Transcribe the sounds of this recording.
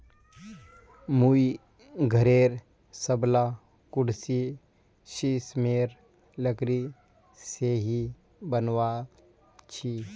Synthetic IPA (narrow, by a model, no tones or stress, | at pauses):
mui | ɡʱəɾeːɾ | səbla | kʊɽsi | ʃismeːɾ | ləkɾi | seɦi | bənʋa | t͡ʃʰi